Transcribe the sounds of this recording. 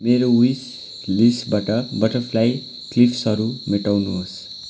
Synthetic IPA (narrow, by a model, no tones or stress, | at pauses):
meɾoujs | lisbaʈʌbʌʈʌpʰlaj | klipʰsʌɾumeʈawnuɦos